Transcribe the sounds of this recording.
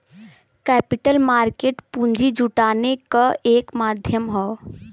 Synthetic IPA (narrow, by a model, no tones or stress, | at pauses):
kɛpiʈəlmaɾkeʈpund͡ʒid͡ʒuʈanekəʔekmad̪ʱjəmɦɔ